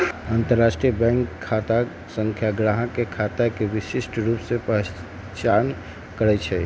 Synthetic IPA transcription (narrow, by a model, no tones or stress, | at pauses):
ənt̪əɾːasʈɾijəbɛ̃ŋkʰːat̪a | səŋkʰjaɡɾaɦãkekʰat̪akeʋisisʈɾupsẽpəɦ | t͡ʃan | kəɾɛt͡ʃʰɛ